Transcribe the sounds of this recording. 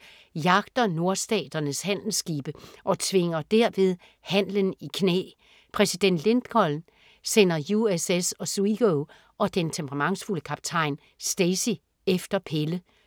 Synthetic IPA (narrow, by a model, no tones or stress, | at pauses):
jɑ̈ɡ̥d̥ɐno̝ɐsd̥ɛ̰ːd̥ɐnəshæn̰l̩sɡ̥iːb̥əʔɒ̽t͡sʰʋe̝ŋɐd̥æɐ̰ʋe̝ðˠ | hæn̰lənikʰnḛː | pʰʁɛsid̥en̰d̥le̝nd̥kʰɒ̽ln̩ | sen̰ɐjuesesɒ̽suiɡ̥oʊ | ʔɒ̽d̥ent͡sʰempʰəʁɑmɑ̈ŋsfuləkʰɑ̈b̥t͡sʰɑ̈ɪn | sd̥esi | efd̥ɐpʰelə